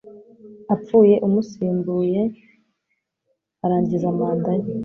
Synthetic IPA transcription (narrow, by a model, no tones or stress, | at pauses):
ap͡fuːje̞ʔumusiːmbuːje | aɾaːɲɟizamaːndaɲi